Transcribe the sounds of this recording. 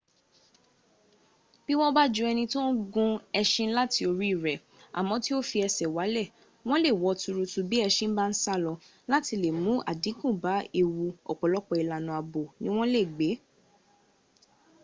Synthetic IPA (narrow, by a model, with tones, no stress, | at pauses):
b̥i˦w̃ɔ̃˦ba˦d͡ʒũ˧˦ɛ˧nĩ˧to˦ɡũ˦ɛ˧ʃĩ˧˦la˦ti˧o˧ɾi˦i˦˨ɾɛ˨ | a̰˨mɔ̃˨˦ti˦o˦fi˧ɛ˧sɛ˨wa˨˦lɛ˦˨ | w̃ɔ̃˦le˦˨wɔ˨˧˦tu˧ɾu˧tu˧bi˦ɛ˧ʃĩ˦m̩˦ba˦n̩˦sa˦lɔ˧ | la˦ti˧le˨mũ˨˦a̰˦˨dĩ˨˦kũ˦˨ba˨˦e˨wu˧ɔ̰˨k͡pɔ˨lɔ˦k͡pɔ˧i˨la˨nũ˨a˨bo˨nĩ˦w̃ɔ̃˦le˦˨ɡ͡be˨˦